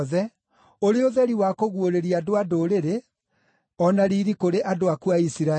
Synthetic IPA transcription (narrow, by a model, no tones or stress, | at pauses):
ðɛ | oɾeoðɛɾiwakoɣwoɾeɾiadoadoːɾeɾe | ɔnaɾiɾikoɾeʔadoakuaisiɾa